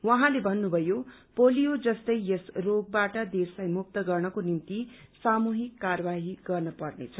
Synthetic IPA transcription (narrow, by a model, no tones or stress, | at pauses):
wʌɦãlebʱʌnːubʱʌjopolijod͡zʌst̪ʌjjʌsroɡ̚baʈʌd̪eslajmuk̚t̪ʌɡʌrnʌkonint̪isamuɦikːarʌbaɦiɡ̥ʌrnʌpʌrnḛt͡sʰʌ